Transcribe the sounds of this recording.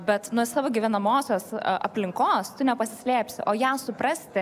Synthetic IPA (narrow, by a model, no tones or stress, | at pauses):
bʲɛt̪nuɔsɑːʋoːɡʲiʋʲɛnɐmoːsʲoːsʔɐ̰pʲlʲɪŋkoːst̪ʊnʲɛpɐsʲɪsʲlʲeːpʲsʲɪʔoːjæːsʊpɾɐsʲt̪ʲɪ